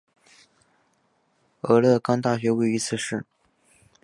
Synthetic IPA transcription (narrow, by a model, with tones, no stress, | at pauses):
ɤ˧˥lɤ˥˧kɑ˥ŋt̪a˥˩ɕɥɛ˧˥we˥˩ɪy˧˥t͡sʰɹ̩˥˧ʂɻ̩˥˩